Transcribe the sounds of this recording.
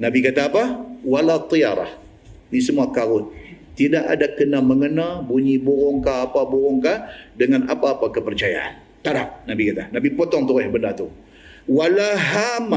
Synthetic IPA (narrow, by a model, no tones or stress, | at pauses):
nabikat̪aːpawalat̪ˤijaɾa̰h | nisəmuakaɾʊnt̪idaʔa̰dakənaməŋənabuɲibuɾɔŋkaːpabuɾɔŋkadəŋanapaːpakəpərt͡ʃaja̰ʔa̰n | t̪aɾaʔ̚nabikat̪anabipot̪ɔŋt̪uɾɛhbəndat̪u | walaɦama